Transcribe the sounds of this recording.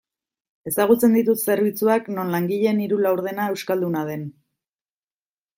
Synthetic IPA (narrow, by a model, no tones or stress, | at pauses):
e̞saɣ̞ut͡se̞nd̪it̪ut̪se̞ɾβit͡suakno̞nlaŋɡiʎe̞niɾulawɾðe̞nae̞wskald̪unað̞e̞n